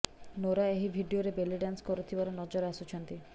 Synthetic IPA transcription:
noɾaeɦibʱiɖioɾebeliɖanskɔɾut̪ʰibaɾɔnɔd͡ʒɔɾasut͡ʃʰɔnt̪i

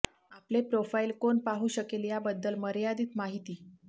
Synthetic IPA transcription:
aplepɾofailkonpaɦuːɕəkeljabəd̪ːəlməɾjad̪iːt̪maɦit̪iː

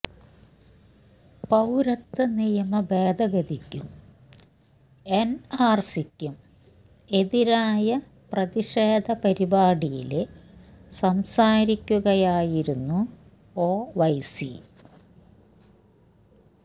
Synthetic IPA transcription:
pɐwɾɐt̪ːɐnijɐmɐbeːd̪ɐɣɐd̪ikʲːum | enaːrsikʲːum | e̞ðiɾaːjɐ | prɐðiʂeːd̪ʱɐpɐɾibaːɽijilesɐmsaːɾikʲːuɣɐjaːjiɾunːu | oːʋɐjsḭ

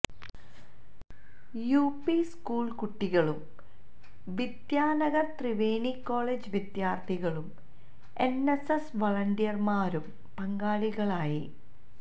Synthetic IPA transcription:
juːpiskuːɭkuʈːiɣɐɭum | ʋid̪jaːnɐɣɐrt̪riʋeːɳikːo̞ːɭeːd͡ʑɨʋid̪jaːrt̪ʰiɣɐɭum | enesesʋɐɭɐnɖijɐrmaːɾum | pɐŋɡaːɭiɣɐɭaːji

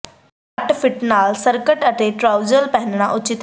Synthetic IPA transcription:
əʈpʰɪʈnaːlsəɾkəʈət̪eːʈɾaːʊd͡ʒəlpɛɦnɳ̃aːʔʊt͡ʃɪt̪

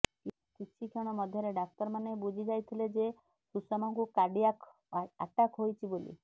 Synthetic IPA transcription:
kit͡ʃʰikʰɔɽ̃ɔmɔd̪ʱjɔɾeɖak̚t̪ɔɾmanebud͡ʒʱid͡ʒajt̪ʰiled͡ʒe | susɔmɔŋkukaɖijak | a̰ʈakɦojt͡ʃʰibolḭ

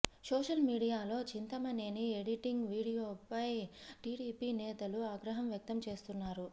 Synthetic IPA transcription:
soːʂɐlmiːɽijaːlo̞ːt͡ʃint̪ɐmɐnenieɽiʈiŋɡʋiːɽijoːpɐjʈiːɽiːpiːnɛːt̪ɐluaːɡɾɐɦɐmjɐk̚t̪ɐmt͡ʃe̞ːst̪unːaːɾu

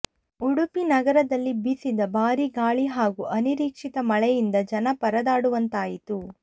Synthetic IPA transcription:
uɽupinɐɡɐɾɐd̪ɐlːibisid̪ɐbaːɾiɡaːɭiɦaːɡuʔɐniɾiːkʂit̪ɐmɐɭɛjind̪ɐd͡ʒɐnɐpɐɾɐd̪aːɽuʋɐnt̪aːjit̪u

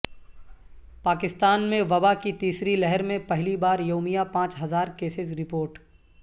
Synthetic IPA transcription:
paːkɪst̪aːnmẽʋɐbakit̪iːsɾilɛɦɛɾmẽpɐɦlibaːɾjoːmijapãːt͡ʃɦɐzaːɾkeːsɪzɾɪpoːɾʈ

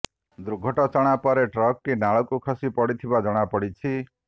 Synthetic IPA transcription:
d̪ɾuɡʱɔʈɔt͡ʃɔɽ̃apɔɾeʈɾɔkːinaɭɔkukʰɔsipɔɽit̪ʰibad͡ʒɔɽ̃apɔɽit͡ʃʰi

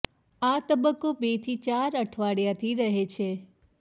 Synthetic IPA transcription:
at̪əbəkːobet̪ʰit͡ʃaɾəʈʰʋaɽjat̪ʰiɾəɦet͡ʃʰe

